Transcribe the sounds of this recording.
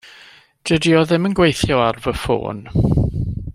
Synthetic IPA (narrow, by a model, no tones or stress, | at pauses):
d̥ədiɔðɪmənɡwejθjɔarvəfo̰ːn